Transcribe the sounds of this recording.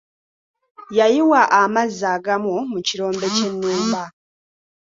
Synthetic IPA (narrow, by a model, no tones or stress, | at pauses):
jajiwaʔamazːaːɡamumuciɾo̞ːmbe̞ce̞nːuːmba